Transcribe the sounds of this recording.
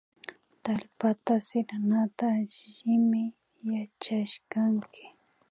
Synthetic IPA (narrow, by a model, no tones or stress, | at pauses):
t̪aʎpat̪asɪɾanat̪aːʒɪmɪ | jat͡ʃaʃkaŋkʰɪ̥